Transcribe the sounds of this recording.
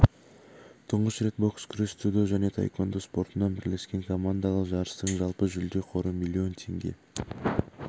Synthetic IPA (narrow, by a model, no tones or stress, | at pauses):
t̪ʰʊɴʁəsrʲet̪̚bo̞kskʲʰʏɾest̪ʰud̪oʒæne̞t̪ʰa̰jkʰo̞nd̪əspo̞ɾt̪ənɑbɪɾle̞skʲe̞ŋkʰo̞mand̪alˠəqʒɑɾəst̪əɴʒɑlˠpəʒʏld̪e̞qʰo̞ɾumʲilʲːio̞nt̪ʰe̞̰ŋɡʲe̞̰